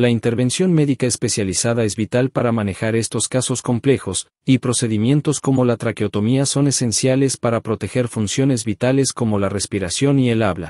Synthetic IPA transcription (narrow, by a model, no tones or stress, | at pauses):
laint̪e̞ɾβe̞nsjo̞nme̞ðikaespe̞sjalisaðae̞zβit̪alpaɾamane̞xaɾe̞st̪o̞skaso̞sko̞mple̞xo̞s | ipɾo̞se̞ðimje̞nt̪o̞sko̞mo̞lat̪ɾakeo̞t̪o̞miaso̞ne̞se̞nsjale̞spaɾapɾo̞t̪e̞xe̞ɾfunsjo̞ne̞zβit̪ale̞sko̞mo̞lare̞spiɾasjo̞nie̞laβla̰